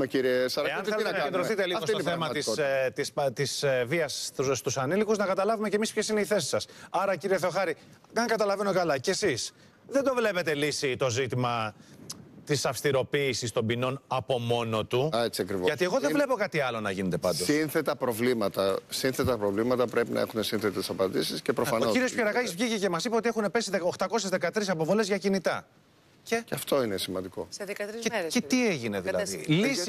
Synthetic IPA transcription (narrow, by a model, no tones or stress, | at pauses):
iɾiesɐɾeɐnθelnnɐed̪ɾoθit̪eliosoθemɐist̪ist̪isviɐsust̪usɐnilikuznɐkɐt̪ɐlɐvume̞cemispçesine̞iθe̞si̥sɐsɐɾɐciɾieθeo̞xɐɾi | kɐŋɡɐt̪ɐlɐve̞nokɐlɐcesis | ðe̞nd̪ovle̞pet̪elisit̪o̞zit̪imɐ | t̪isɐfst̪iɾo̞piːsist̪o̞mbino̞nɐpo̞mo̞no̞t̪uet͡siɐkɾivoʝɐt̪ieɣo̞ðevle̞po̞kɐt̪iɐlo̞nɐʝinet̪e̞pɐnd̪osinθet̪ɐpɾo̞vlimɐt̪ɐsinθet̪ɐpɾovlimɐt̪ɐpɾepinɐ̰exund̪esinθet̪esɐpɐnd̪isiscepɾofɐnoosciɾiospçeɾɐɣɐɣizvʝicece̞mɐsipeo̞t̪ie̞xune̞pesiðeo̞xt̪ɐko̞sezðe̞kɐt̪ɾisɐpo̞vo̞le̞zʝɐcinit̪ɐ | ceceɐft̪o̞inesimɐnd̪iko̞kɐtɾzcet̪ieʝine̞ðilɐðilis